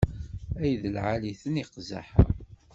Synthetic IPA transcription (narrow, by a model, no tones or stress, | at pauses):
æjðəlʕaliθəniqza̰ħə̰